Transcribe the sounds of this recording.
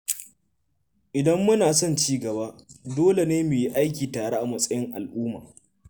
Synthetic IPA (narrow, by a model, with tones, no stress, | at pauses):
ʔɪ˨dɐ˦mːʊ˦naː˨s̬ɔ˦˨nt͡ʃiː˦ɡɐ˨baː˦doː˦le˨neː˦mʊ˨ji˦ʔa˦jkʲiː˨taː˨ɽa˦ʔa˨mɐ˨sʼɐ˦jɪ˦ŋʔa˨lʔuː˦ma̰ː˨